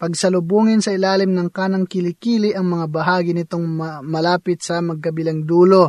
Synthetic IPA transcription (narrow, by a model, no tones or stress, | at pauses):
pɐɡsɐlʊbuːŋɪnsɐɪlaːlɪmnɐŋkaːnɐŋkɪlɪkiːlɪʔɐŋmɐŋabɐɦaːɡɪnɪt̪oŋmɐlaːpɪt̪̚sɐmɐɡ̚kɐbilɐŋd̪uːlo